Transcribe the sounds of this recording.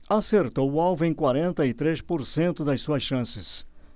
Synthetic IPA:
aseɾt̪owʊawvʊẽj̃kwaɾẽnt̪ɐɪt̪ɾespoɾsẽnt̪ʊd̪ɐsuɐsʃɐ̃sɪs

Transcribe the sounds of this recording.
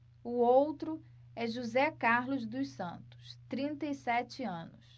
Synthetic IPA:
ʊowt̪ɾʊ | ɛʒuzɛkaɾlʊzd̪ʊsɐ̃nt̪ʊ̥st̪ɾĩnt̪ɐisɛt͡ʃɪɐ̃nʊs

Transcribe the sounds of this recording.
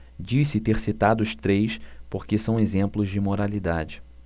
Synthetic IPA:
d͡ʒisɪt̪eɾsit̪ad̪ʊʊʃt̪ɾejspoɾkɪsɐ̃w̃ezẽmplʊzd͡ʒɪmoɾalid̪ad͡ʒɪ

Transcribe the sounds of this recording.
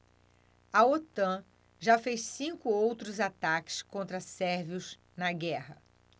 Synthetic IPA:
ɐot̪ɐ̃ | ʒafejssĩkʊowt̪ɾʊzat̪akɪ̥skõnt̪ɾɐsɛɾviʊz | nɐɡɛhɐ

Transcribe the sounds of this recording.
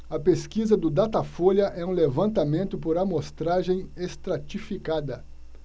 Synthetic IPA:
ɐpeskizɐd̪ʊd̪at̪afoʎjɐʔɛũlevɐ̃nt̪amẽnt̪ʊpoɾɐmost̪ɾaʒẽj̃est̪ɾat͡ʃifikad̪ɐ

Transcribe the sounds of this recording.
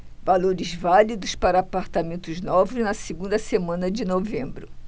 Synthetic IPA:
valoɾɪzvalid̪ʊspaɾɐːpaɾt̪amẽnt̪ʊznɔvɪznɐsiɡũnd̪ɐsemɐ̃nɐd͡ʒɪnovẽmbɾʊ

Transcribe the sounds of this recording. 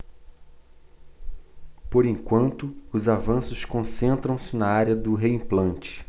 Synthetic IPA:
poɾẽŋkwɐ̃nt̪ʊːzavɐ̃sʊskõsẽnt̪ɾɐ̃w̃sɪnɐaɾjɐd̪ʊɦeĩplɐ̃nt͡ʃɪ̥

